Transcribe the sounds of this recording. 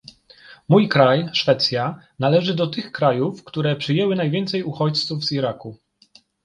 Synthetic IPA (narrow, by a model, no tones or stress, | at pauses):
mujkɾajʂfɛt̪sʲja | nalɛʐɘd̪ɔt̪ɘxkɾajufkt̪uɾɛpʂɘjɛwɘnajvʲɛnt̪sɛjuxɔt͡ɕt̪suvz̥iɾaku